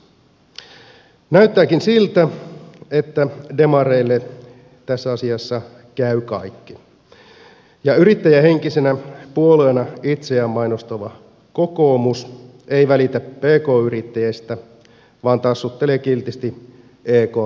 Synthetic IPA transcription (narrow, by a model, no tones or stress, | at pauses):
næyt̪ːæːkinsilt̪æe̞t̪ːæde̞mɑɾeilːe | t̪æsːæɑsiɑsːɑ | kæykɑ̰ikːi̥ | jɑyɾit̪ːæjæhe̞ŋkisenæpuo̞leːnɑit̪seæːmmːɑjnost̪oʋɑ | ko̞ko̞ːmus | e̞jʋælit̪æpe̞ːko̞ːyɾit̪ːæjest̪æ | ʋɑːnt̪ɑsːut̪ːe̞leːkilt̪ist̪i | eːkoː